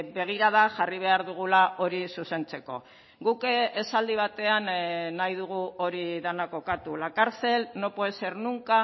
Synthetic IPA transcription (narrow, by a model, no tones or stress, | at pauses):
be̞ɣ̞iɾaðaʝariβ̞e̞aɾðuɣ̞ulao̞ɾisuse̞nt͡se̞ko̞̰ | ɡukesald̪iβ̞at̪e̞annːajðuɣ̞uo̞ɾiðanako̞kat̪ulakaɾt͡se̞lno̞poese̞ɾnuŋka